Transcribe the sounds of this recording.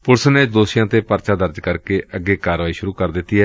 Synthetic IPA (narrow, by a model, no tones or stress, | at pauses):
pʊɽsəneːd̪oːsɪjãːt̪eːpəɾt͡ʃaːd̪əɾd͡ʒkəɾkeːʔəɡːeːkaːɾʋaːiːʃʊɾuːkəɾd̪ɪt̪ːiːɦɛː